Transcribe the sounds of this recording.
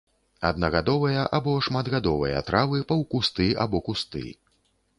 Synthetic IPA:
ɐ̰d̪̚nɐɣad̪ɔvɐjɐʔabɔʂmad̪ɣad̪ɔvɐjɐ̰t̪ɾavɨpɐwkust̪ɨa̰bɔkust̪ɨ̰

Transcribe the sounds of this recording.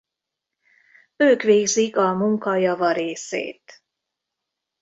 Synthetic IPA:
øːkʋeːɡzikɒmuŋkɒjɒvɒɾeːsḛːt̪

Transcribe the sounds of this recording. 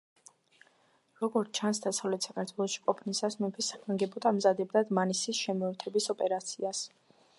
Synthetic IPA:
ɾɔɡɔɾt̪t͡ʃʰansd̪asavlɛt̪ʰsakʰaɾt̪ʰwɛlˠɔʃi̥kʼɔpʰʼnisasmɛpʰisːḁkʰmaŋɡɛbɔd̪ʰamzad̪ɛb̚d̪ad̪manisisʃɛmɔɛɾt̪ʰɛbisɔpʼɛɾat̪sʰias

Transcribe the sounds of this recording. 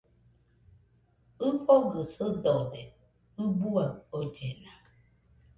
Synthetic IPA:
ɨɸoɡəsədɔdɛ | ɨbuaod͡ʒɛna

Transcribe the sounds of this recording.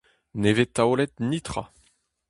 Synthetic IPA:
nevet̪ːaolɛt̪̚nit̪χa̰

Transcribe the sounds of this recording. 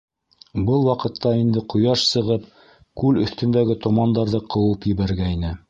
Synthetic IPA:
bɤlˠwɑqɤ̆t̪ːɑind̪ɘqʰŏjɑʃsɤ̆ʁɤp̚ | kʉlɵ̆θt̪ɵ̆nd̪æɡɘt̪ŏmɑnd̪ɑɾðɤqʰɤ̆wˠɤpjɘ̆βæɾɡæinɘ

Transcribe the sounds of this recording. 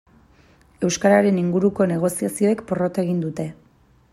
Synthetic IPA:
e̞wskaɾaɾe̞niŋɡuɾuko̞ne̞ɣ̞o̞siasio̞e̞kpo̞ro̞t̪eɣind̪ut̪e̞

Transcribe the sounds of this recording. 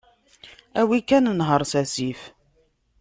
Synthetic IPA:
æwikːænnɦəɾˤsæsif

